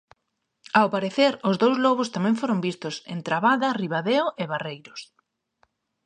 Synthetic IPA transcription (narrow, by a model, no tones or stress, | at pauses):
awpaɾeθeɾʊzðowzlɔβʊst̪amɛ̃ŋfoɾʊmbist̪ʊsḛnt̪ɾaβaðɐriβaðeoʔeβarejɾʊs